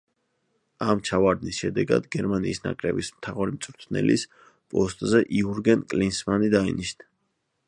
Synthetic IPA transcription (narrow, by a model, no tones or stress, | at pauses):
amt͡ʃʰavaɾd̪nisʃɛd̪ɛɡa̰d̪ɡɛɾmaniːsna̰kʼɾɛ̰bismt̪ʰaʁuɾimt̪sʼɾt̪ʰnɛ̰lis | pʼɔst̪ʼzɛʔiuɾɡɛnkʼlinsmanid̪ainiʃna